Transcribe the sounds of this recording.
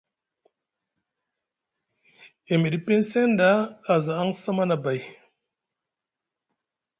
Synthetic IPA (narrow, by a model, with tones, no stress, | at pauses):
e˨mi˨ɗi˨pe˦nse˦ndaː˦˨za˨a˦ŋsa˦ma˦na˨ba˨j